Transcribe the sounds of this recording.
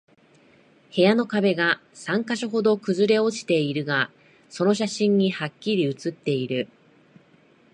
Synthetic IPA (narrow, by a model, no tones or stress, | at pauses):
he̞jano̞kabe̞ɡasãŋkaɕaɦo̞d̪o̞kɯ̟zɨɾe̞o̞t͡ɕi̥t̪e̞iɾɯ̟ɡa | so̞no̞ɕ̬aɕĩɲ̟ːihakʲːiɾʲiɯ̟t͡sɨt̪ːe̞iɾɯ̟